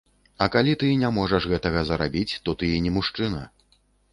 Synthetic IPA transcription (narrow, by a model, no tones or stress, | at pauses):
ɐkalʲit̪ɨnʲamɔʐɐʂɣɛt̪ɐɣɐzɐɾabʲit͡sʲt̪ɔt̪ɨinʲɛmuʂt͡ʂɨnɐ